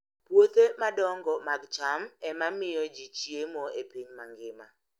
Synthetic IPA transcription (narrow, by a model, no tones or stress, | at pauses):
pwot̪emadɔŋɡɔmaɡt͡ʃamɛmamɪjɔd͡ʒit͡ʃijemɔepiɲmaŋɡɪma